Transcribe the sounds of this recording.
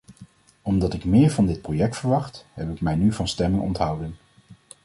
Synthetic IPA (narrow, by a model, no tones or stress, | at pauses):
ɔmdɑtɪkmɪːɹvɑndɪt̚projɛk̚tfəɹʋɑχtɦɛpɪkmɛjnyvɑnstɛmɪŋɔ̰ntɦʌwdən